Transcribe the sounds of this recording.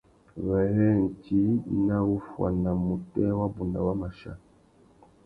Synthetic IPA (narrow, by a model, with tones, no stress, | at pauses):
βɛ˨hɛ˦n˨ti˦na˦wu˦fwa̰˨na˨mu˨tɛ˦wa˦bu˨na̰˨wa˦ma˨ʃa̰˦